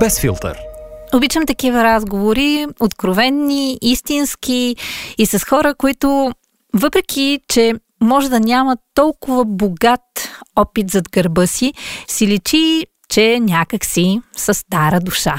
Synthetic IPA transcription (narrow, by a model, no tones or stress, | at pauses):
b̥ɛsfḭlˠt̪ə̰ɾobit͡ʃəmt̪ɐkivəɾazɡovoɾiot̪kɾovɛnːiist̪inskiːsɐsxɔɾəkoit̪ʊ | vɤpɾɛkʰit͡ʃɛ | mɔʒɛd̪ɐnʲamɐt̪ːɔlˠkʊvəboɡat̪ɔpit̪zɐd̪ɡɐɾbɤsisilit͡ʃi | t͡ʃɛnʲakəksisəst̪aɾəd̪uʃa̰